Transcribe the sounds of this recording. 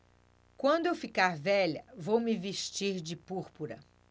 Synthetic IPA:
kwɐ̃nd̪ʊewfikaɾvɛʎɐvowmɪveʃt͡ʃiɾd͡ʒɪpuɾpuɾɐ

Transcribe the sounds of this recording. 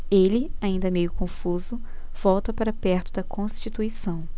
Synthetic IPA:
elɪaĩnd̪ɐmejʊkõfuzʊ | vɔwt̪ɐpaɾɐpɛɾt̪ʊd̪ɐkõst͡ʃit̪uisɐ̃w̃

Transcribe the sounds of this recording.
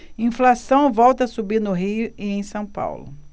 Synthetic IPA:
ĩflasɐ̃w̃vɔwt̪ɐsubiɾnʊɦijʊiẽj̃sɐ̃w̃pa̰wlʊ̰

